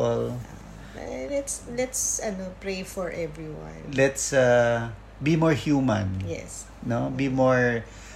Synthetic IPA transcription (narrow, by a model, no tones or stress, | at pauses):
ɛla | lɛt̪slɛt̪sɐnopɹejfɔɹʔɛvɹiwã̰nlɛt̪sa | bimɔɹhjumãnjɛ̰s | nobimɔɹ